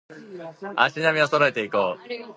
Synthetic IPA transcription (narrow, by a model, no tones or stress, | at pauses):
a̰ɕinamʲiosoɾoe̞t̪e̞ikoː